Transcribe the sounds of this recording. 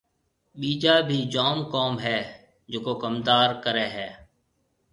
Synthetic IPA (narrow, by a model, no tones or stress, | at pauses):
ɓiːd͡ʒaːbʱiːd͡ʒaːmkoːmɦɛː | d͡ʒoːkoːkəmd̪aːɾkəɾeːɦɛː